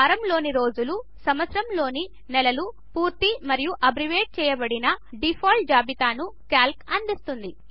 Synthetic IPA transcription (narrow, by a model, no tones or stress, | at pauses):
ɐɾɐmlo̞ːniɾo̞ːd͡ʒulu | sɐmʋɐt̪sɾɐmlo̞ːni | nɛlɐlu | puːɾt̪imɐɾijuʔɐbɾiʋeːʈ̚t͡ʃɛːjɐbɐɽinɐɖipʰoːlʈ̚d͡ʒaːbit̪aːnukaːlkɐnd̪ist̪und̪i